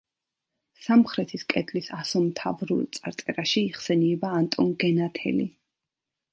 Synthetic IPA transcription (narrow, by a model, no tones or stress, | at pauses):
samχɾɛt̪ʰiskʼɛd̪ʰʼlisasɔmt̪ʰavɾṵlt̪sʼa̰ɾt̪sʼɛɾaʃiːχsɛniɛbaːnt̪ʼɔnɡɛnat̪ʰɛ̰lḭ